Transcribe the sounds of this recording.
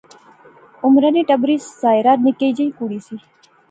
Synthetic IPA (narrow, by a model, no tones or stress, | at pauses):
ʊmɾəniʈəbɾiːszaːjɾaːɾnɪkeːd͡ʒəikuɽiːsiː